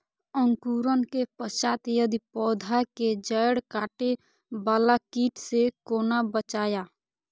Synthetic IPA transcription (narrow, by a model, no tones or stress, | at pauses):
əŋkuːɾənkepəʃaːt̪jəd̪ipɔːd̪ʱaked͡ʒəjɽkaːʈe | baːlakiːʈsekoːnabət͡ʃaːja